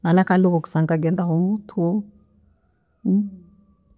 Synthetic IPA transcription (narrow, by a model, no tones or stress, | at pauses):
malakaluɣɔku̥saŋkaɡɛndaɦumutʰu